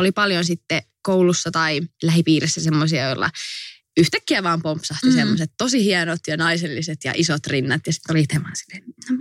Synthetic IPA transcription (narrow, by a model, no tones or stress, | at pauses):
olipɑljonsit̪ːe | kowlusːɑt̪ɑilæhipiːɾesːæsemːosiɑjolːɑ̰ | yht̪ækːiæʋɑːmpompsɑht̪isemːoset̪tosihiɑnot̪jɑnɑiselːiset̪jɑ̰ʔisot̪rinːɑt̪jɑsi̥t̪ːolit̪ʰemɑnsi̥len